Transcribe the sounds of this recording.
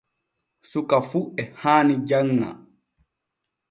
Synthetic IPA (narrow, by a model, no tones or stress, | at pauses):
sukafuɛhaːnid͡ʒaŋːa̰